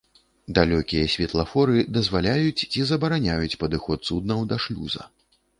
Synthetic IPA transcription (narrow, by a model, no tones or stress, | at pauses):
d̪alʲɔkʲijɐsʲvʲɛt̪lˠɐfɔɾɨd̪ɐzvalʲajut͡sʲt͡sʲizɐbɐɾanʲajut͡sʲpɐd̪ɨxɔt̪sud̪̚nɐwd̪ɐʂlʲṵzɐ̰